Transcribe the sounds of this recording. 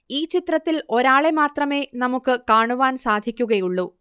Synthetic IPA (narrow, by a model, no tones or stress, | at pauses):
iːt͡ɕit̪rɐt̪ːilo̞ɾaːɭe̞maːt̪rɐme̞ːnɐmukːɨkaːɳuʋaːnsaːd̪ʱikʲːuɣɐjuɭːu